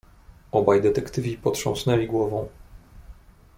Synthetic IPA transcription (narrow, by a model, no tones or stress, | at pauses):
ɔbajd̪ɛt̪ɛkt̪ɘvʲipɔtʂɔ̃w̃snɛlʲiɡwɔvɔ̃w̃